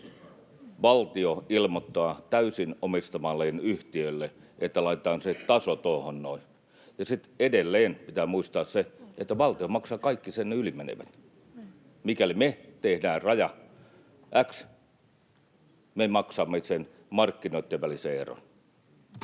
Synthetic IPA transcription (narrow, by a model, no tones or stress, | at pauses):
ʋɑlt̪ioilmot̪ːɑːt̪æysinomist̪ɑmɑlːˑeːnyht̪iølːe | ʔet̪ːælɑit̪ĕt̪ɑːnset̪ɑsot̪oˑːhonnoi | jɑsit̪edelːeːnpit̪æːmuist̪ɑːsseet̪ːæʋɑlt̪iomɑksɑːkɑikːisenneylimenḛʋæ̰t̪ | mikælimet̪ehdæːrɑjɑ | ʔæks | memɑksɑːmːesen | mɑrkːinoˑit̪ːeʋʋæliseero̰n